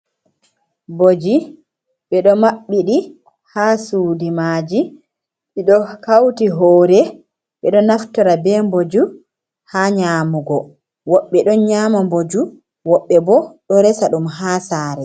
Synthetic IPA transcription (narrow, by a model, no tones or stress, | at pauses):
bod͡ʒi | ɓɛɗɔmaɓːiɗi | hasuːdimaːd͡ʒi | ɓɛɗɔkawtiɦɔːɾɛ | ɓɛɗɔnaftɔɾabɛmbod͡ʒu | haɲaːmuɡɔ | wɔɓːɛɗɔnɲaːmambod͡ʒu | wɔɓːɛbɔɗɔɾɛsaɗumɦaːsaːɾɛ